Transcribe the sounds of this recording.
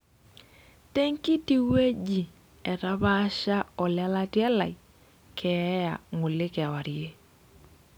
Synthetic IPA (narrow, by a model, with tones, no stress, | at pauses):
tɛ˦ŋki˦ti˦we˦d͡ʒi˨ | ɛ˨ta˦βa˦ʃa˦ɔ˨la˦la˦tjɛ˦la̰˨i˨ | kʰɛ˨˦ja̰˨ŋo˨lɪ˦kwa˨ɾje˦